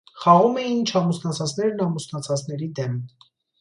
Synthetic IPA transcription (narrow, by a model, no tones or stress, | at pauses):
χɑʁumɛjint͡ʃʰɑmusnɑt͡sʰɑt͡snɛɾnɑmusnɑt͡sʰɑt͡snɛɾid̪ɛm